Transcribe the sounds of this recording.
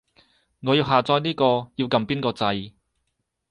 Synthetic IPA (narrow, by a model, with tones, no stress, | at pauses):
ŋɔː˨˧jiː˧wɦaː˨t͡sɔː˧jniː˥kɔː˧jiː˧wkɐ˧mpiː˥nkɔː˧t͡sɐ˧j